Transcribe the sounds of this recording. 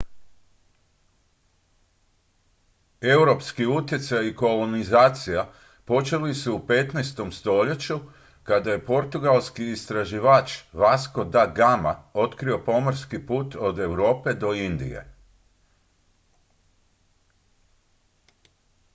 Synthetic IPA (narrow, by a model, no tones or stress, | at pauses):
e̞wɾo̞pskiut̪je̞t̪sajiko̞lo̞nizaːt̪sija | po̞t͡ʃe̞lisuːpe̞t̪nest̪o̞mst̪o̞ʎe̞t͡ɕu | kad̪aje̞po̞ɾt̪uɡalˠskiːst̪ɾaʒiʋat͡ʃʋasko̞d̪aɡama̰o̞t̪kɾio̞po̞moɾskipuːt̪o̞d̪e̞wɾo̞ːpe̞d̪o̞ind̪ḭjḛ